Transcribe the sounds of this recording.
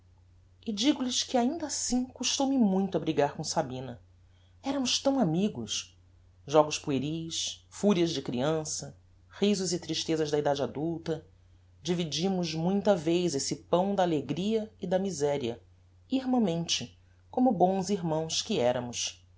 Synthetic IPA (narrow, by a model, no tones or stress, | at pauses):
ɪd͡ʒiɡʊlɪskɪaĩnd̪ɐasĩkuʃt̪owmɪmũj̃t̪ʊɐbɾiɡaɾkõsabĩnɐ | ɛɾɐmʊʃt̪ɐ̃w̃amiɡʊ̰ʃ | ʒɔɡʊspueɾiʃfuɾiɐzd͡ʒɪkɾiɐ̃sɐ | hizʊzɪt̪ɾiʃt̪ezɐʒd̪ɐid̪ad͡ʒad̪uwt̪ɐ | d͡ʒivid͡ʒĩmʊzmũj̃t̪ɐvejzesɪpɐ̃w̃d̪ɐːleɡɾiɐɪd̪ɐmizɛɾiɐ̰ | ihmɐ̃mẽnt͡ʃɪ | kõmʊbõw̃ziɾmɐ̃w̃skɪɛɾɐmʊʃ